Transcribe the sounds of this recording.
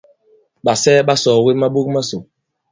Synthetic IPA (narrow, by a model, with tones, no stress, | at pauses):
ɓa˨sɛː˦ɓa˦sɔː˨we˦ma˦ɓu˦k̚ma˦so˨